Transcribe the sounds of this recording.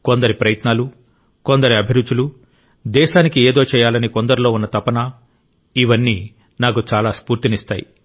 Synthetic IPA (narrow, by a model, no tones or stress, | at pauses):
ko̞nd̪ɐɾipɾɐjɐt̪naːlu | ko̞nd̪ɐɾiɐbʱiɾut͡ʃulu | d̪ɛːʃaːnikieːd̪o̞ːt͡ʃɛːjaːlɐniko̞nd̪ɐɾulo̞ːunːɐt̪ɐpɐnɐ | iʋɐnːiː | naːk̬ut͡ʃaːlaːspuːɾt̪inist̪a̰ːjḭ